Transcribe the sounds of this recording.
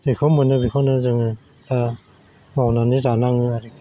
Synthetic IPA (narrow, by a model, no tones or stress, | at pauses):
dɯkʰawmɯnɯbikʰawnɯzɯŋɯ | ta | mawnanizanaŋɯaɾik